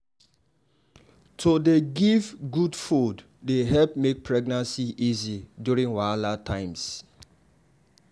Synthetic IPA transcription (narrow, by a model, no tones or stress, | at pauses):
tʰodeɡivɡudfud | deɦɛlpmek̚pʰɹɛɡnãnsiʔizidjuɹĩŋwalatʰãɪ̃ms